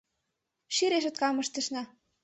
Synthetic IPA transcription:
ʃiɾeʃɤ̆t̪̚kɑmɤ̆ʃt̪ə̆ʃnɑ

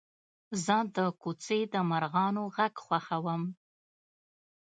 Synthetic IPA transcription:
zəd̪əkut͡sed̪əmaɾɣɑnoɣaɡxwaxawəm

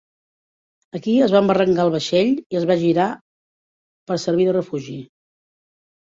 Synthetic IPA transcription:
əkiəzβambərəŋɡaəlˠβ̞əʃeʎiəzβaʒiɾa | pəɾsəɾβ̞iðərəfuʒi

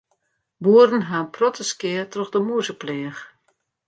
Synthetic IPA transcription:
buədən̩ɦaːnprɔtʰəskɪətrɔxdəmuəzəplɛːx

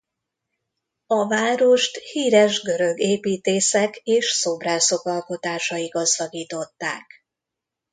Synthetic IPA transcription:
ɒvaːɾo̞ʃt̪hiːɾɛʒɡø̞ɾø̞ɡeːpiːt̪eːsɛkeːʃso̞braːso̞kɒlko̞t̪aːʃɒiɡɒzdɒɡiːt̪o̞t̪ːa̰ːk

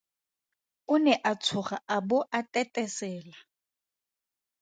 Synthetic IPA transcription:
ʊnɛʔat͡sʰʊχaabʊʔatʼɛtʼɛsɛːla

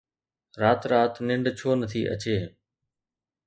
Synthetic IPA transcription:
ɾaːt̪ɾaːt̪nɪ̃ɳɖt͡ɕʰoːnət̪ʰḭːʔə̰t͡ɕeː

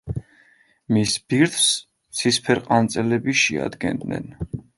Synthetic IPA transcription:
misb̥iɾt̪ʰs | t̪sʰispʰɛɾqʼant̪sʼɛlɛbiʃia̰d̪ɡɛ̰nd̪nɛ̰n

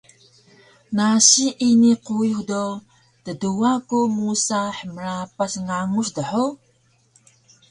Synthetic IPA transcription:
naɕiʔiniquixdo | təduakumusaħəməɾapasŋaŋuɕdəħu

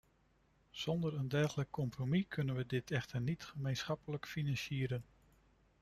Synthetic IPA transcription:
z̥ɔndəɹəndɛɹχələkːɔmpromikʰɵnənʋədɪtɛχtəɹnitχəmejnsχɑpələkfinɑnʃiːɾən

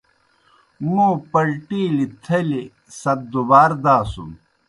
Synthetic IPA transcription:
mũpɐlʈiːlit̪ʰɐli | sɐt̚d̪ubaːɾd̪aːsṵm

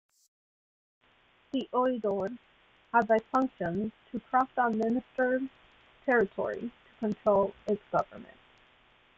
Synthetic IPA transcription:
ðiʔɔɪdɔɹ | həd̚ðaɪfʌ̃ŋkʃə̃ntʰəkʰɹ̥ɔstənmɪ̃nɨstə˞ | tʰɛɹɨtʰɔ̰ɹḭtʰə̥kʰə̃ntʰɹ̥oʊlˠɪtsɡ̥ʌvə̰˞mɨ̰̃nt̚

